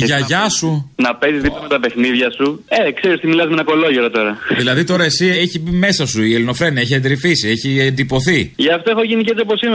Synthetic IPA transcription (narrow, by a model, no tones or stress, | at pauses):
ʝɐʝɐsunɐpe̞zizðiplɐme̞t̪ɐpe̞xniðʝɐsuekseɾist̪imilɐzmenɐko̞lo̞ʝeɾot̪o̞ɾɐðilɐðit̪o̞ɾɐe̞sieçibime̞sɐsuielino̞fɾe̞nieçiend̪ɾifisie̞çiend̪ipo̞θiʝɐft̪oexoʝinicet͡s̪oposim